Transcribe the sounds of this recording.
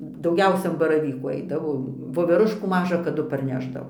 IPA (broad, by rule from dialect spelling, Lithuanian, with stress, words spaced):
dɐʊˈɡʲɛʊsʲɛ ɐn bɐrɐˈʋʲiːkuː ˈɐɪdɐʋoː ʋoːʋʲɛˈrʊʃkuː ˈmɑːʒɐ kɐˈdʊ pɐrʲˈnʲæːʒdɐʋoː